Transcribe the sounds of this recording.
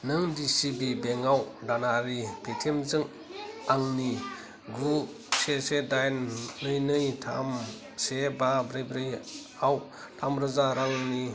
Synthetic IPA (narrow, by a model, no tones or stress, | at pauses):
nɯŋdisibibeŋawdanaɾipetʰemzɯŋ | aŋni | ɡu | sesedajnːɯjnɯjtʰa̰m | sebabɾejbɾɯj | aw | tʰamɾɯzaɾaŋni